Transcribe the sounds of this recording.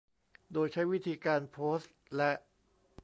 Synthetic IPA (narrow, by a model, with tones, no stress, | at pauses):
doː˧jt͡ɕʰa˦˥jwi˦˥t̪ʰiː˧kaː˧npʰoː˦˥st̪̚lɛ˦˥ʔ